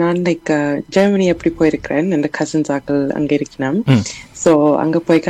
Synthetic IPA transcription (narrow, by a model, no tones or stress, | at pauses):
naːnlekːɐd͡ʒɐɾmɐniɛpːɐɽipoːjɪɾɯkːɪɾeːnɛnd̪ɐkʰɐsɐnsaːɣɐɭɐ̰ŋɡɐɪɾɯkːɪnaːmsoːɐ̰ŋɡɐpoːjka